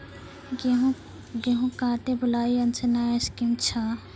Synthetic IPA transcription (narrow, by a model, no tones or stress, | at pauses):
ɡeɦũkãːʈebʊlaːiɐnt͡ʃʰenaːeskimt͡ʃʰa